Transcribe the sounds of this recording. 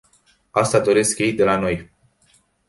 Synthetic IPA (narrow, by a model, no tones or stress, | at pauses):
ast̪ad̪o̞ɾe̞skjejd̪e̞lano̞j